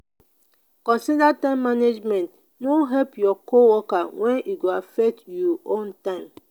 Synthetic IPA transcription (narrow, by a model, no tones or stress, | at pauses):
kɔ̃nsidatãɪ̃mːaned͡ʒmɛ̃nt | noɦɛlpjɔkowɔkawʔɛ̃niɡoafɛk̚tjɔʔõntãɪ̃m